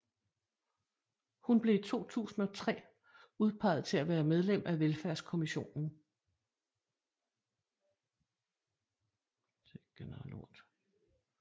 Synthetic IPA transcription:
hunb̥le̝it͡sʰo̝̰ːt͡sʰṵːsn̩ɒ̽t͡sʰʁɛ̰ː | uð̞ˠpʰɑ̈ɪ̰ð̩ˠt͡sʰe̝læʋæːɐmeð̞ˠlem̰ʔæʋelfæɐ̰skʰo̝miɕo̝̰ːnn̩ | t͡sʰeɡ̥enəʁalo̰d̥

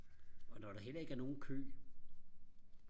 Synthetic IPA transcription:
ɒ̽nɒɾ̥ɑ̈ɦel̰ɐe̝ɡ̥æɐno̝ːn̩kʰø̰ː

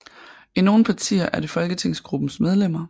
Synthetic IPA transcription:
ʔino̝ːn̩pʰɑ̈t͡sʰḭːɐʔæɐd̥e̝fɒ̽lɡ̥ət͡sʰe̝ŋ̰sɡ̥ʁub̥n̩smeð̞ˠlem̰ɐ

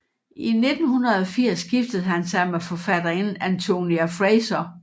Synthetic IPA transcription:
ʔine̝d̥n̩hunɐð̞̩ˠɒ̽fiɐ̰sːɡ̥ifd̥əð̞̩ˠɦænsɑ̈ɪmefɒfæd̥ɐenænt͡sʰo̝niæfʁeɪsɐ

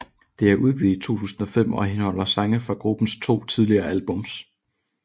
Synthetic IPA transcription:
d̥e̝æɐʔuð̞ˠɡ̥ḭit͡sʰo̝̰ːt͡sʰṵːsn̩ɒ̽fem̰ɒ̽ɦenhɒ̽l̰ɐsɑ̈ŋəfɑ̈ɡ̥ʁub̥n̩st͡sʰo̝̰ːt͡sʰið̞ˠliɐːælb̥ɔ̽ms

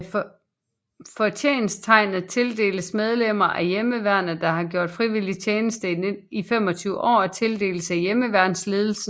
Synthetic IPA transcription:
fɒt͡sʰḛːnst͡sʰɑ̈ɪnð̩ˠt͡sʰe̝ld̥e̝̰ːləsmeð̞ˠlem̰ɐʔæjeməʋæɐnəd̥ɑ̈hɑ̈ɡ̥jo̝ɐ̰d̥fʁiʋilit͡sʰeːnəsd̥əneifem̰ɒ̽t͡sʰyːʊəʔɒ̰ːæt͡sʰe̝ld̥e̝̰ːləsæjeməʋæɐ̰d̥n̩sle̝ːð̞ˠl̩sə

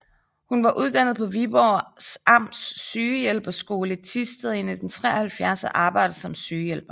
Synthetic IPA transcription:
hunʋɑ̈ʔuð̞ˠd̥æn̰ð̞̩ˠpʰɒ̽ʋib̥ɒsɑ̈m̰d̥sːyːjelb̥ɐsɡ̥o̝ːlət͡sʰisd̥eðˠen̰id̥ent͡sʰʁɛ̰ɐhælfjæɐsɐʔɑ̈ːb̥ɑ̈ɪ̰d̥ɐsɒ̽msyːjelb̥ɐ

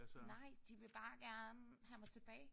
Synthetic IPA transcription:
nɑ̈ɪ̰d̥iʋe̝b̥ɑ̈ːɡ̥æɐnəhæmɑ̈ɪt͡sʰe̝b̥ɛːɪ

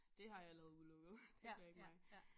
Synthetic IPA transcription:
d̥e̝ɦɑ̈jɑ̈ɪlɛːð̩ˠuðˠlɔ̽ɡ̥ð̩ˠt͡sʰeŋɡ̥ɐeɡ̥mɑ̈ɪ

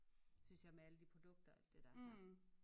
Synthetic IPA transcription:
synsjɑ̈ɪmeæləd̥ipʰʁo̝d̥ɔ̽ɡ̥̚d̥ɐæl̰d̥e̝d̥ɑ

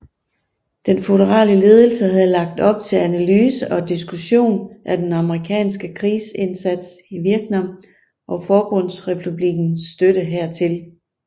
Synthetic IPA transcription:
d̥enfoɾəʁɑ̰̈ːləle̝ːð̞ˠəl̩səɦæðˠlɑ̈ɡ̥̚d̥ɒ̽b̥̚t͡sʰe̝lænælyːsəʔɒ̽d̥isɡ̥uɕo̝̰ːnʔæd̥enɑ̈məʁikʰɛ̰ːnsɡ̥əkʰʁiːse̝nsæd̥siʋiɐɡ̥nɑ | ʔɒ̽fɒːb̥ɔ̽n̰sʁɛpʰub̥liɡ̥n̩sd̥ød̥əɦæɐ̰t͡sʰe̝l

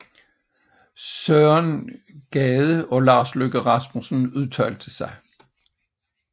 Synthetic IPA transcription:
søːɐnɡ̥ɛːð̞ˠəɒ̽lɑ̰̈ːsløɡ̥əʁɑ̈smusn̩uðˠt͡sʰœld̥əsɑ̈ɪ

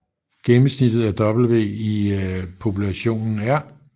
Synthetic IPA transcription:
ɡ̥emm̩snid̥ð̩ˠæd̥ɒ̽b̥l̩ʋe̝̰ːipʰo̝pʰulæɕo̝̰ːnn̩æɐ

